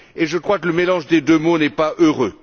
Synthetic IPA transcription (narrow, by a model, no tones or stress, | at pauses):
eʒəkχwakələmelɑ̃ʒd̪ed̪ømonɛpaʔøʁø